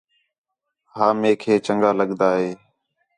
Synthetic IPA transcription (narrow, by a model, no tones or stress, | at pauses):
ɦaːmeːkʰeːt͡ʃəŋɡaːləɠd̪aːɦeː